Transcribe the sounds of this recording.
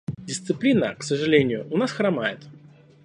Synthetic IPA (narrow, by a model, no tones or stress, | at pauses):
dʲɪst̪sɨplʲinəksəʐɨlʲenʲɪjʊʔʊnasxramajɪt̪